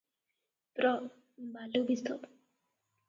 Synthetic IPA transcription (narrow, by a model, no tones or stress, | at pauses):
pɾɔ | bʱalubist̪ʰɔt